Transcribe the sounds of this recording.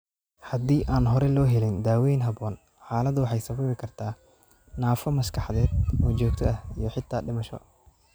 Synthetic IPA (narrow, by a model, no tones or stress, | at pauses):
hɐd̪iːʔaːnɦɔɾɛlɔːɦɛlɪnd̪aːwɛjnɦɐβɔːn | ħaːlɐd̪wɑħɑjsɐβɐmɪkʰɐrt̪ʰaː | naːfɐmɐʃkʰɑħðɛːd̪ɔːt͡ʃɔːɡt̪ʰɔʔɐhijɞħɪt̪ʰːaːɖɪmɐʃɔ̰